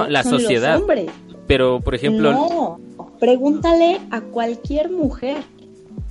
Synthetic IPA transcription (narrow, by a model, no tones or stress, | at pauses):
olasosjeðaðmbɾespeɾopoɾexemnploo | pɾe̞ɣunt̪ale̞akwalkje̞ɾmuxeɾ